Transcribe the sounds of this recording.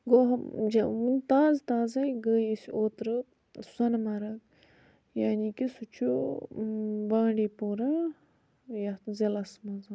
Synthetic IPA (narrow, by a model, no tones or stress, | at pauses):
ɡoːɦɐd͡ʒɐunt̪aːzt̪aːzɐjɡəːjesʲoːt̪ɾɨ | sɐnmɐɾɐk | jaːniːkisut͡ʃʰo | baːɳɖeːpoːɾa | jɐzelɐsmɐzɐ